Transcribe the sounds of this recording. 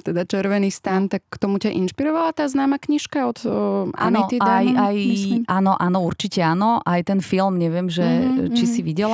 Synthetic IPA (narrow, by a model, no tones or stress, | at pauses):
t̪ɛd̪at͡ʃɛɾʋɛniːst̪ant̪akːt̪ɔmucaʔinʃpiɾɔʋalat̪aːznaːmakɲiʃkaɔt̪a̰niiajajʔanɔʔanɔuɾt͡ʃicɛaːnɔʔajt̪ɛnfilmɲɛʋɪɛmʒɛt͡ʃisiʋiɟɛl